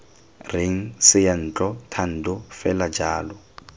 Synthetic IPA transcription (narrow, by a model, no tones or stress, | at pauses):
rɪŋ̩sɪjan̩t͡ɬʼɔtʰan̩dʊfɛlad͡ʒaːlɔ